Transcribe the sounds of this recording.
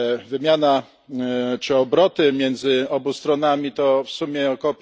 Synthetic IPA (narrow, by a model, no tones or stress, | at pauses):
vɘmʲjana | t͡ʂɘɔbɾɔt̪ɘmʲjɛnd̪zɘɔbust̪ɾɔnamʲit̪ɔfsumʲjɛɔkɔpʲ